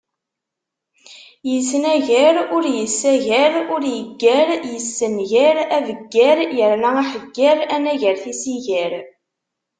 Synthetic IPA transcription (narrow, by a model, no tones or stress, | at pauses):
jəsnæʝæɾʊɾjəsːæʝæɾʊɾjəɡːæɾjəsːənʝæɾævəɡːæɾjəɾlææħəɡːæɾænæʝəɾθisiʝæɾ